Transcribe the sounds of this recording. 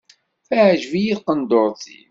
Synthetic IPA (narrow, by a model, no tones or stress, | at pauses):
fəʕʒvijiðqənd̪oɾˤθḭn